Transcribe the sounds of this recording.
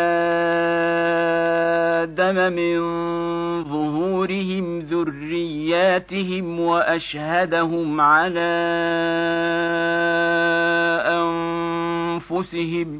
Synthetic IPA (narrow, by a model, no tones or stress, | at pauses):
a | d̪amamɪn | ðˤʊɦuːɾɪhɪmðʊrːɪjːaːt̪ɪɦɪmwaʔaʃhad̪aɦʊmʕalaː | ʔan | fʊsɪɦɪm